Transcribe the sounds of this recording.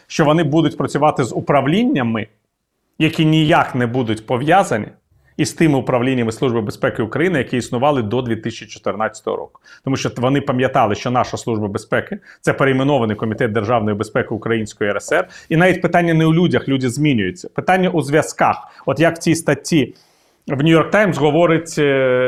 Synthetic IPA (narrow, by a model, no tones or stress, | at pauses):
ʃt͡ʃɔʋɔnɪbud̪ʊtʲpɾɔt͡sʲʊʋɑt̪ɪzʊpɾɐʋlʲinʲːɐmɪ | jɐkʲinʲijaknɛbud̪ʊtʲpɔʋjazɐnʲḭ | ist̪ɪmɪʊpɾɐʋlʲinʲːɐmɪsˠubɨbespɛkɪʊkɾɐjinɪjɐkʲiisnʊʋɑlˠɪd̪ɔd̪ʲʋʲit̪ɪsʲt͡ʃit͡ʃɔ̥t̪ɪrnɑt͡sʲːɐ̥t̪ɔ̰ɦɔ̰ɾɔ̰kʊ̥t̪ɔmuʃt͡ʃɔʋɔnɪpɐmʲjɐt̪ɑlˠɪʃt͡ʃɔnɑʃɐslˠuʒbɐbespɛkɪt̪sɛpeɾeimɪnɔʋɐnɪjkɔmʲit̪ɛt̪̚d̪erʒɑwn̪ɔjibespɛkɪʊkɾɐjinʲsʲkɔjiɛɾɛsɛrin̪ɑʋʲitʲpɪt̪anʲːɐnɛulʲudʲɐxlʲudʲizmʲinʲʊjʊt͡sʲːɐpɪt̪anʲːɐʔuzʋʲjɐskɑxɔt̪jɐkt͡sʲist̪ɐtʲːi | ʋnʲʊjɔrk̚t̪ɑjmsɦɔʋɔɾɪtʲ